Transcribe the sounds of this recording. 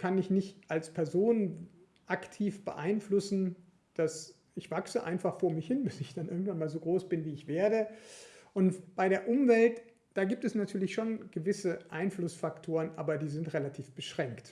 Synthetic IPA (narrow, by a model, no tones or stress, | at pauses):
kʰanɪçnɪçtʔalspʰɛɐzoːn | ʔaktʰiːfb̥ə̰ʔaɪnflʊsn̩ | d̥as | ʔɪçv̥aksəʔa̰ɪnfaχfoːɐmɪçhɪnbɪsɪçd̥anʔɪɐɡŋ̩tv̥anmaːlzoːɡʁoːsb̥ɪnviːɪçv̥eːɐɾəʔʊntb̥aɪɾeːɐʔʊmvɛlt | d̥aːɡiːp̚tɛsnatʰyːɐlɪçʃoːnɡ̥əvɪsəʔaɪnflʊsfaktʰoːʁ̞ənʔa̰ːbɐdiːzɪntʁɛlatʰiːfb̥əʃʁ̥ɛŋkt